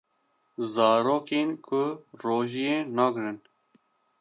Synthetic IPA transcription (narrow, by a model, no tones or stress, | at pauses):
zɑːɾoːkeːnkʰʊɾoːʒijeːnɑːɡɾɨn